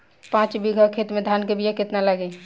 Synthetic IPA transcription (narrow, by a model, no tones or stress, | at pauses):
pãt͡ʃbiɡʱəkʰet̪med̪ʱankebʱijaket̪nalaɡɛ